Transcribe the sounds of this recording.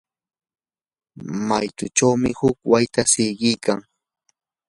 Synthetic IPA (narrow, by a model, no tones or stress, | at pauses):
majt̪ʊt͡ʃawmɪhʊkwajt̪asɪjɢɪjkaŋ